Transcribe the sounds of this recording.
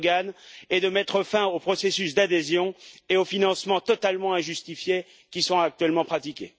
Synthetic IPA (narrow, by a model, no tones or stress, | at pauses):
ɡaned̪əmɛt̪χəfɛ̃opχɔsesysd̪ad̪ezjɔ̃eofinɑ̃smɑ̃t̪ɔt̪almɑ̃ɛ̃ʒyst̪ifje | kʲisɔ̃ak̚t̪ɥɛlmɑ̃pχat̪ikʲe